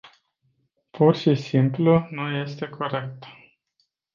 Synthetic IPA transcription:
pʰurʃisimplunuje̞st̪e̞kʰo̞ɾe̞k̚t̪

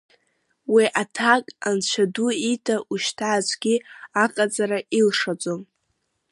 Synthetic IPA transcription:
wiʔatʰakʼant͡ɕʷʰaduitʰaʔuʃtʰaːt͡ʃʷʰʼɡʲiaqʼat͡sʼaɾaʔilʂat͡sʼom

